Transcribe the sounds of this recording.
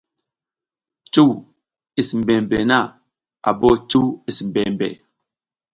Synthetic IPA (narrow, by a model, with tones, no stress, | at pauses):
t͡ʃu˦w | i˨sm̩˨bɛ˨mbɛ˨na˦˨ | a̰˨bɔ˦t͡ʃu˦i˨sm̩˨bɛ˨mbɛ̰˨